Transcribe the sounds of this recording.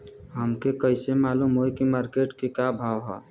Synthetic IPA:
ɦəmkekəɪsemaːlumɦojkimaːɾkeʈkekabʱaːʋɦɛ̰

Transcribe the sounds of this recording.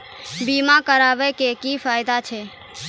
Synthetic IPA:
bimakəɾaʋɛkekifʰaɪd̪at͡ʃʰe

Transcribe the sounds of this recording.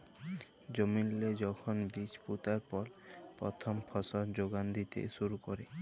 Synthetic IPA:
d͡ʒomilːed͡ʒɔkʰɔnbit͡ʃput̪aɾpɔɾpɾɔ̰t̪ʰɔmpʰɔsɔɾd͡ʒoɡand̪it̪ḛsuɾukɔɾe

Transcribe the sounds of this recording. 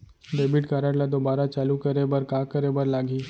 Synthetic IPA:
ɖeːbɪʈkaːɾaɽlad̪obaːɾat͡ʃaːlukɐɾebɐɾkaːkəɾebɐɾlaːɡiː

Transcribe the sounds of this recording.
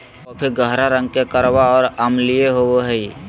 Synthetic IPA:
ɔːpʰɪɾɡəɦɾaɾə̃ŋɡkekəɾbaɔːɾamlijeɦowoɦəi

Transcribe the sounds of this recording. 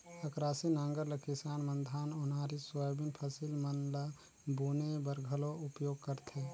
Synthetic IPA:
əkɾaːsinãŋɡəɾlekɪsaːnmənd̪ʱaːnʊnɦaɾiswabinpʰəsilmənla | bunebəɾɡʱəloʊpjoːɡ̚kəɾt̪ʰe

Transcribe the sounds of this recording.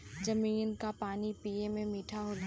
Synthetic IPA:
zɐmiːnkapaːnipiːemẽmiːʈʰaɦoːl

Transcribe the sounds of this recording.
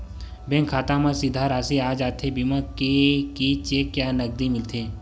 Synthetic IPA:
bẽŋkʰaːt̪ãmãsɪd̪ʱaɾaːsiaːd͡ʒaːt̪ʰebimakekit͡ʃeːkjaːnɐɡ̚d̪imɪlt̪ʰeː

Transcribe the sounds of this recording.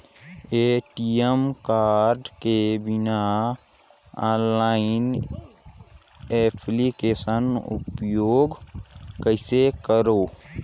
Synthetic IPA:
eʈijemkaːɾɖkebɪna | ãnlaɪn | epʰlikesənṵpjoːɡkəɪsekəɾoː

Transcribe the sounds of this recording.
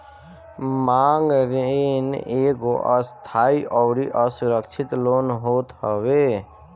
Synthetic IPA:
maːŋɡɾeeneːɡoʔə̰st̪ʰaːiʔɔːɾiʔəsʊɾəkʃʰɪt̪loːnɦoːt̪ɦəwe

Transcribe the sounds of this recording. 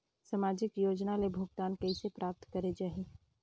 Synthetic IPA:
səmaːd͡ʒɪkjoːd͡ʒnalebʱʊɡt̪aːnkɛisepɾaːp̚t̪kɐɾed͡ʒaːɦeː

